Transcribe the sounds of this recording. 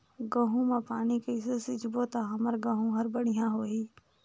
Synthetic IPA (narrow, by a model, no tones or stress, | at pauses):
ɡə̃ːɦũmepaːnikeɪs̬esɪd͡ʒboːt̪aɦɐməɾɡãːɦũɦɐɾbəɽ̤ɪjãɦoːɦiː